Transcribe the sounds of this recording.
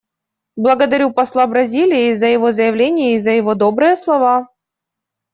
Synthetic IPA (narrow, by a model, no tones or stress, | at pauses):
blˠɐɡəd̪ɐɾʲupɐslˠabɾɐzʲilʲɪjɪzəjɪvo̞zəjɪvlʲenʲɪjəɪizəjɪvod̪o̞bɾɨjəslˠɐva